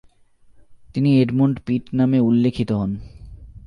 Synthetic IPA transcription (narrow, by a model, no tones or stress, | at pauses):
t̪inieɖmoɳʈpiʈnameulːekʰːit̪oɦɔn